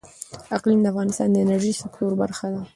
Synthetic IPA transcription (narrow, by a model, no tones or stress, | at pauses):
aqlimd̪əafɣɑnɪst̪ɑnd̪əɪnaɾʒisɪkt̪oɾbaɾxad̪a